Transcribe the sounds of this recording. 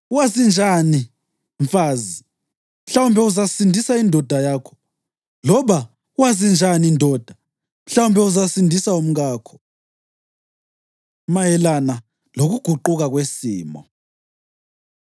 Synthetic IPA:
uwazind͡ʒʱani | ɱfaːzi | m̩ɬawumbʱɛuzasindʱisaindʱɔd̥ʱajaːkʰɔ̥ | lɔβa | uwazind͡ʒʱaniːndʱɔd̥ʱa | m̩ɬawumbʱɛuzasindʱisaum̩ɣaːkʰɔ̥ | majɛlana | loɣuɡ̥ʱuǃuɣaɣwesiːmɔ

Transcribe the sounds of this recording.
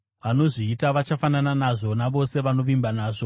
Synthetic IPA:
ʋano̞ʐiːtaʋat͡ʃafanananaʐo̞naʋo̞se̞ʋano̞ʋimbanaːʐo̞

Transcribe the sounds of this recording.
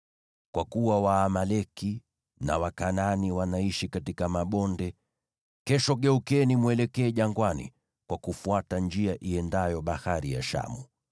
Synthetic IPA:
kwakuwawaːmalɛki | na̰wakananiwanaiʃikatikamaɓɔndɛ | kɛʃɔɠɛukɛnimwɛlɛkɛːʄaŋɡwanḭ | kwakufuatand͡ʒiaʔiɛndajɔɓahaɾija̰ʃa̰mu

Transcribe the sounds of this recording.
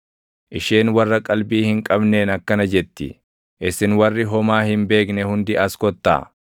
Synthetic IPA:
ʔɪʃe̞ːnwɐrːɐkʼɐlbiːhɪŋkʼɐbne̞ːnɐkːɐnɐd͡ʒɛt̪ːɪ̰ | ʔɪsɪnwɐrːɪɦɔmaːhɪmbe̞ːknɛhʊnd̪ɪʔɐskɔt̪ːa̰ː

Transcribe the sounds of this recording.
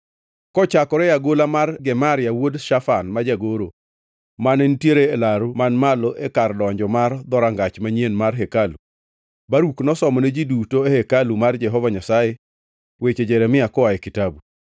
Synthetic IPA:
kɔt͡ʃakɔɾɛjaɡolamarɡɛmaɾɪjawodʃafanmad͡ʒaɡoɾo | manentjeɾeːlaɾʊmanmalɔʔekarlɔaɲd͡ʒɔmard̪ɔɾaŋɡat͡ʃmaɲenmarɦekalu | baɾuknɔsɔmɔned͡ʒidutoehekalumard͡ʒɛɦɔvaɲasaje | wet͡ʃed͡ʒeɾɛmɪakɔwajekitabu

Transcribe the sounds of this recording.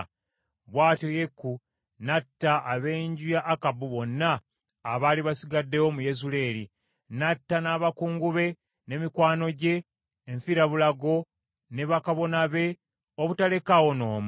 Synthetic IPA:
βwaːtoje̞kːu | natːaʔːβeːɲɟujaʔːkabuβo̞nːaː | βaːliβasiɡadːe̞womujezule̞li | natːanaβakuːŋɡuβe̞ | ne̞mikwaːno̞ɟe̞ː | ɱfiɾaβulaɡo̞ | ne̞βakaβo̞naβe̞ | oβutale̞kawo̞no̞ːmu

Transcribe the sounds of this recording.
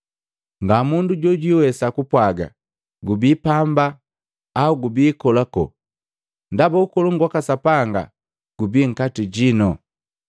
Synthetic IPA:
ŋɡamunduɟɔɟiwɛsakupwaɡa̰ | ɡubiːpambaː | uɡubiːkɔlakɔ̰ | ndabaukɔluŋɡwakasapaŋɡa̰ | ɡ̥ubiŋ̩katiɟinɔ

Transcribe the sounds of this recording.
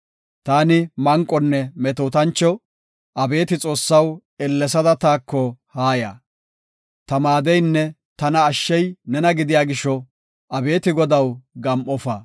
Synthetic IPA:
t̪aːnɪmɐŋkʼːɔnːɛmɛt̪oːt̪ɐnt͡ʃːɔ | ʔɐbe̞ːt̪ɪt͡sʼo̞ːsːɐw | ɛlːɛsɐd̪ɐt̪aːkːɔhaːja̰ː | t̪ɐmaːd̪ɛjnːɛ | t̪ɐnɐːʃːɛjnɛnɐɡɪd̪ɪjaːɡɪʃːɔ | ɐbe̞ːt̪ɪɡɔd̪ɐwɡɐmʔɔfɐ

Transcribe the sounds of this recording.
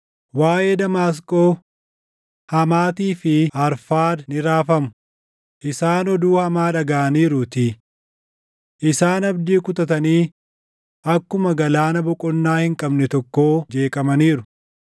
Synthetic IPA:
waːʔeːd̪ɐmaːs̬kʼo̞ː | hɐmaːt̪iːfɪɐɾfaːd̪nɪɾaːfɐmʊ̥ | ʔɪsaːnɔd̪uːhɐmaːᶑɐɡaːʔɐniːɾʊt̪ɪ | ʔɪsaːnɐbd̪iːkʊt̪ɐt̪ɐniː | ɐkːʊmɐɡɐlaːnɐbɔkʼɔnːaːhɪŋkʼɐbnɛt̪ɔkːo̞ːd͡ʒe̞ːkʼɐmɐniːɾʊ

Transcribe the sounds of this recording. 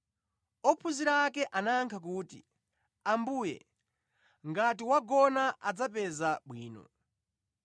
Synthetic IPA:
ɔpʰuziɾaːkɛʔanaŋkʰakuːtḭ | ambuːjɛ̰ | ŋɡatiwaɡɔnaʔad͡zapɛzaɓwiːnɔ̰

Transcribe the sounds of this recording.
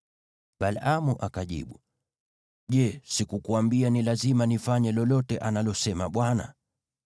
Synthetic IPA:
ɓalamuʔakaʄḭɓu | ʄɛsikukuambianilazimanifaɲɛlɔlɔtɛʔanalɔsɛmaɓwana̰

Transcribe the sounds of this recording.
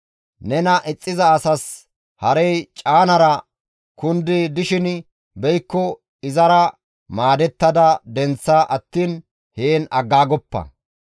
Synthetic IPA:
nɛnɐʔɪt͡sʼːɪzɐːsɐs | hɐɾɛjt͡ʃʼaːnɐɾɐ | kʊnd̪ɪd̪ɪʃɪn | bɛjkːɔ | ɪzɐɾɐ | maːd̪ɛt̪ːɐd̪ɐd̪ɛnt͡sːaʔɐt̪ːiːn | heːnɐɡːaːɡɔpːɐ̰

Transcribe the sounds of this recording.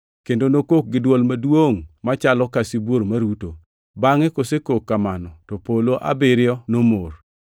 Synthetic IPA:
kendonokok̚ɡɪdwɔlmadwoŋmat͡ʃalɔkasibwoɾmaɾuto | baŋɛkosekokːamanɔtɔpoloʔa̰bɪɾɪɔnomor

